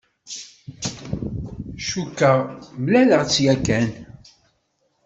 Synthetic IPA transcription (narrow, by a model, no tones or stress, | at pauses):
ʃukːəʁmlæləʁt͡sːjækːæn